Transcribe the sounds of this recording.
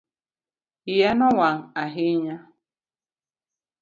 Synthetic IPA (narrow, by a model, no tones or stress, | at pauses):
ijanɔwaŋ̩aɦɪɲa